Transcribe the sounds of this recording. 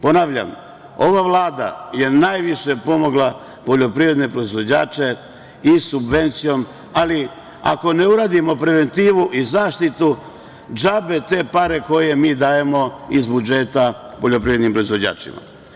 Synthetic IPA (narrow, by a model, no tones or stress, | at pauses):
po̞naʋʎa̰m | o̞ʋaʋlˠaːd̪a̰je̞najʋiʃe̞po̞mo̞ɡlˠa | po̞ʎo̞pɾiːʋɾe̞d̪ne̞pɾo̞izʋo̞d͡ʑa̰ːt͡ʃe̞ | isubʋe̞nt̪sijo̞m | ali | a̰ko̞ne̞uɾaːd̪imo̞pɾe̞ʋe̞nt̪iːʋuʔizaːʃt̪it̪u | d͡ʒabe̞t̪e̞ːpaɾe̞ko̞je̞miːd̪aːje̞mo̞izbud͡ʒe̞t̪apoʎo̞pɾiʋɾed̪nimpɾo̞izʋo̞d͡ʑa̰ːt͡ʃḭma̰